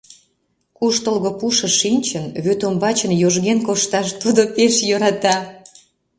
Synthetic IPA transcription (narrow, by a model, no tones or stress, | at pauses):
kuʃt̪əlɣopuʃə̆ʃinʲt͡ɕənβøt̪ombɑt͡ɕənjoʒɣenkoʃt̪ɑʃt̪ud̪opeʃjoɾɑt̪ɑ